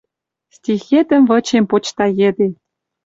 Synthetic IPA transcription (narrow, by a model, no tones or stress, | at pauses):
stʲixet̪ə̆mvɤ̆t͡ɕempot͡ɕt̪ɑjĕd̪e